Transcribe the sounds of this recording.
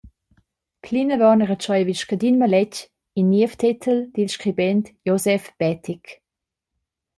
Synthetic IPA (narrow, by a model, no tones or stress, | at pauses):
pʰlinəvɑnəʁət͡ʃɔjviʃkədinməlɛc | inːiəftʰitʰəld̥inʃkʁibɛntjozɛfb̥ɛtʰik